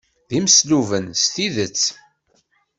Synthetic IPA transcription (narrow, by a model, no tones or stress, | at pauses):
ðimsluvənst̪iðət͡sː